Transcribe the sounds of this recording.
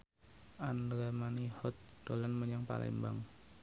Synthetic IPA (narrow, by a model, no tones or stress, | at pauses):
ʔand̪ɾamanihɔt̪̚d̥olanməɲaŋpa̰lʔɛ̰mbaŋ